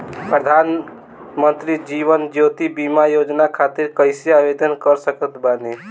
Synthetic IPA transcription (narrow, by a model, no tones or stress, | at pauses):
pɾəd̪ʱan | mənt̪ɾid͡ʒiʋənd͡ʒot̪ibimajod͡ʒnakʰat̪iɾkəɪseabed̪ənkəɾsəkət̪ʰbane